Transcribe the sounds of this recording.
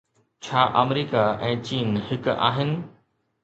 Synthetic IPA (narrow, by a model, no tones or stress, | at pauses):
t͡ɕʰaːʔɐmɾiːkaɛ̃ːt͡ɕiːnhɪka̰ːɦɪnɪ̆